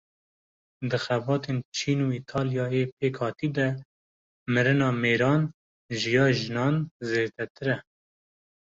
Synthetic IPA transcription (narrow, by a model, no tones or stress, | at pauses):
d̪ɨxɛbɑːt̪ʰent͡ʃʰiːnuiːt̪ʰɑːljɑːjepʰeːkʰhɑːt̪iːd̪ɛ | mɨɾɨnɑːmeːɾɑːn | ʒɨjɑːʒɨnɑːnzeːd̪ɛt̪ʰɨɾɛ